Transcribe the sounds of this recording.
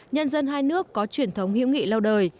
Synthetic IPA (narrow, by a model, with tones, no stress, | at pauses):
ɲə˧nzə˧nɦaː˧jnɨ˦˥əkːɔ˨˦t͡ɕwi˧˩ənt̪ʰə˨˦wŋ͡mhḭ˧˥wŋ͡mŋḭ˧˨la˧wɗəː˨˩j